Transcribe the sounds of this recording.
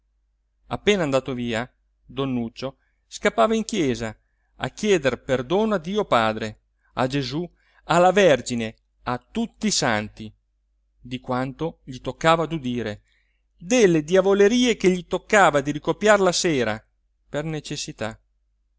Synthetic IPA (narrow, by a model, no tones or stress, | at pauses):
apːeːnand̪aːt̪oviːa | d̪onːut͡ʃːo | skapːaːvaiŋk̟jɛːza | a̰k̟ːjɛːd̪erperd̪oːnoad̪iːopaːd̪ɾe | ad͡ʒezu | alavɛrd͡ʒine | at̪ːut̪ːisant̪i | d̪ikwant̪oʎit̪okːaːvad̪ud̪iːɾe | d̪elːed̪javoleɾiːekeʎit̪okːaːvad̪iɾikopːjarlaseːɾa | pernet͡ʃesːit̪a